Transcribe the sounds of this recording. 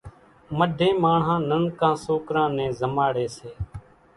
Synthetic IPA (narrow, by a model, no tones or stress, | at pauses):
məɖʱẽːmaːɳɦãːnənkãːsoːkɾãːnɛ̃ːzəmaːɽeːseː